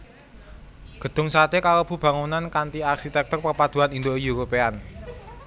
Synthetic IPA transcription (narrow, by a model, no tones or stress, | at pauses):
ɡ̥ə̤d̪̥ʊ̤ŋsat̪ekalob̥ṳb̥ä̤ŋunankant̪iarsit̪ɛk̚t̪ɔrpərpad̪̥uɦanind̪ojuɾopean